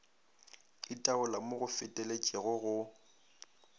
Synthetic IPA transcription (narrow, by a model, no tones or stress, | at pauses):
ɪtʼaʊlamʊɣʊfɪtʼelet͡ʃʼɪɣʊɣʊ